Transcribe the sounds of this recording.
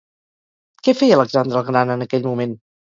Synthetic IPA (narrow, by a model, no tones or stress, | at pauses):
kɛfɛjələkzand̪ɾəlˠɣɾanənəkɛʎmumen